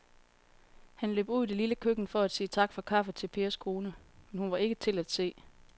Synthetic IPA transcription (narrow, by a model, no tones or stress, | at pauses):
hænlø̰ːb̥uð̞̰ˠd̥eliləkʰøɡ̥n̩fɒ̽æd̥siːt͡sʰɑ̈ɡ̥fɒ̽kʰɑ̈fət͡sʰe̝lpʰe̝ːɐskʰʁo̝ːnəmenhunʋɑ̈e̝ɡ̥ət͡sʰe̝læd̥se̝̰ː